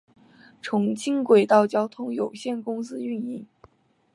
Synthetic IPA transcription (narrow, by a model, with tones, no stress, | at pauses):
ʈ͡ʂʰʊ˧˥ŋt͡ɕʰi˥nkwe˨˩ɪt̪ɑ˥˩ʊt͡ɕjɑ˥ʊt̪ʰʊ˥ŋjo˨˩ʊɕjɛ˥˩nkʊ˥ŋsɹ̩˥y˥˧ni˥˩ŋ